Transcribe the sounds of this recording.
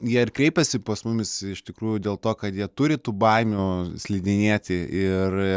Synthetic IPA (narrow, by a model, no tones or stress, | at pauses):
jiɛɪrkɾʲɛɪpʲɛsʲɪpɐsmʊmʲɪsɪʃt̪ʲɪkɾuːjʊdʲeːlˠt̪oːkɐt̪jiɛt̪ʊɾʲɪt̪uːbɐɪmʲusʲlʲiːd̪ʲɪnʲeːt̪ʲɪɪr